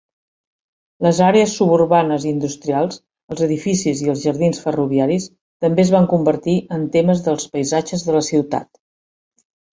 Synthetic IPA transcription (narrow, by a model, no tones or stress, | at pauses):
ləzaɾeəsːuβurβanəzind̪ust̪ɾialˠs | əlˠzəðifisiziəlˠzʒəɾðinsfəruβiaɾis | t̪əmbeəzβaŋkumbəɾt̪iʔənt̪eməzðəlˠspəjzad͡ʒəzðələsiwt̪a̰t̪